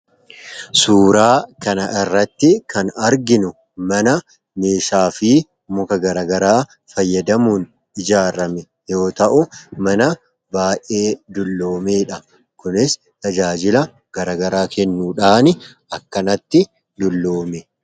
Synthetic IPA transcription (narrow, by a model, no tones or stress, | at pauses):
suːɾaːkɐnɐʔɪrːɐt̪ːɪkɐnɐɾɡɪnʊ | mɐnɐ | me̞ːʃaːfiː | mʊkɐɡɐɾɐːɡɐɾaː | fɐjːɐd̪ɐmuːn | ɪd͡ʒaːɾɐmɛ | jo̞ːt̪ɐʔʊmɐnɐ | baːʔe̞ːd̪ʊlːo̞ːmeːᶑɐ | kʊnɪs | t̪ɐd͡ʒaːd͡ʒɪlɐ | ɡ̥ɐɾɐːɡɐɾaːkɛnːuːᶑaːnɪ | ɐkːɐnɐt̪ːɪ | d̪ʊlːo̞ːmɛ